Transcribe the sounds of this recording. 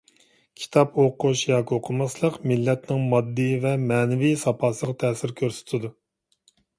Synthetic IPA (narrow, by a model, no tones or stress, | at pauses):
kʲʰi̥t̪ʰɑpoqʰuʃjɑːkʲioqʰʊmɑslˠəqmɪlːɛt̪nɪŋmɑd̪ːɨvɛmɛːnɪvisɑpʰɑːsəʁɑt̪ʰɛːsɪɾkʲʰøɾsy̥t̪ʰɪd̪u